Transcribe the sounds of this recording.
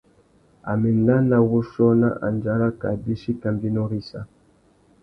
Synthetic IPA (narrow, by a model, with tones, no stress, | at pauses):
a̰˨mɛ˨na˦na˨wu˦ʃɔ˦na̰˦ʔa̰˨nd͡ʒa˦ɾa˦ka˨bi˦ʃi˦ka˨mbi˦no˦ɾi˦sa̰˨